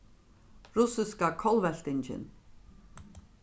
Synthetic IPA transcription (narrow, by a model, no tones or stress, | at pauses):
ɾʊsɪskakʰɔlvɛɬt̪ɪnt͡ʃɪ̰n